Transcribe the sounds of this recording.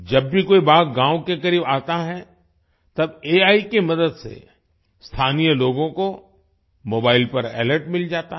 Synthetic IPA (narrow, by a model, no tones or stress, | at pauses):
d͡ʒɐbːʱikoːibaːkɡãːwkekɐɾiːbaːt̪aɦɛ | t̪ɐbeːaːikemɐd̪əd̪sḛ | st̪ʰaːnijəloːɡõko | moːbaːɪlpɐɾɛ̰ːləɾʈmɪld͡ʒaːt̪aɦ